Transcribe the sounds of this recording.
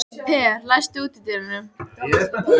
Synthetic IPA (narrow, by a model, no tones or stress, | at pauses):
pʰɛːɾlajst̪ɪuːt̪ɪt̪eɾɪnʏm